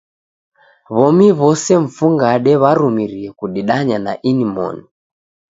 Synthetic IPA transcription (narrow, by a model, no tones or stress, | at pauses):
βɔmiβɔsɛɱ̩fuŋɡaɗɛβaɾumiɾiɛkuɗiɗaɲanaʔinimɔ̰ni